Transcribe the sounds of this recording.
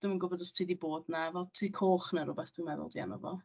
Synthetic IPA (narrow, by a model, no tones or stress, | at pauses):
d̥əmənɡʊbɔdəstʰiːdiboːdnavɛlˠtʰikʰoːχnaɾʊbɛθd̥wimɛðʊ̰lˠdia̰nɔ̰vɔ̰